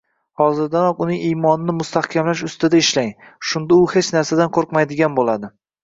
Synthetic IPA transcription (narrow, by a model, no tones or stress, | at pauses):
hɒzɪɾd̪anɒqʊnɪŋijmɒnɪnɪmʊst̪ʰahkʲʰamlaʃʊst̪ɪd̪aɪʃlaŋ | ʃʊnd̪aʊhet͡ʃnaɾsad̪anqʰoɾqmajd̪ɪɡʲanbolad̪ɪ